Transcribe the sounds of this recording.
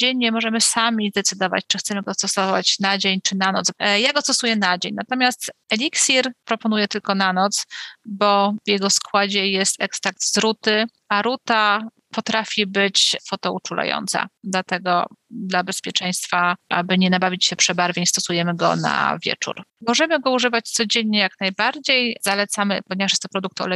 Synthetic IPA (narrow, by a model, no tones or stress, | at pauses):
d͡ʑeɲːɛmɔʐɛmɘsamʲizd̪ɛt̪sɘd̪ɔva̰t͡ɕt͡ʂɘxt̪sɛmɘɡɔst̪ɔsɔvat͡ɕnad͡ʑeɲt͡ʂɘnanɔt̪sjaɡɔst̪ɔsujɛnad͡ʑeɲnat̪ɔmʲjast̪ɛlʲiksʲiɾpɾɔpɔnujɛt̪ɘlkɔnanɔt̪sbɔvjɛɡɔskwad͡ʑɛjɛst̪ɛkst̪akt̪zɾut̪ɘ | aɾut̪a | pɔt̪ɾafʲibɘt͡ɕfɔt̪ɔut͡ʂula̰jɔ̰nt̪sa̰d̪lat̪ɛɡɔ̰d̪labɛspʲjɛt͡ʂɛj̃st̪faʔa̰bɘɲɛnabavʲit͡ɕɕɛpʂɛbaɾvʲjeɲst̪ɔsujɛmɘɡɔ̰na̰vʲjɛ̰t͡ʂṵɾmɔʐɛmɘɡɔuʐɘvat͡ɕt̪sɔd͡ʑeɲːɛjaknajbaɾd͡ʑejz̥alɛt̪samɘpɔɲɛvaʂjɛst̪ɔpɾɔd̪ukt̪ɔ̰lɛ